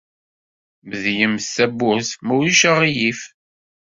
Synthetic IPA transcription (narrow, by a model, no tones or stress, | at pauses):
məðjəmsæbːʊθmuwiʃaʁijif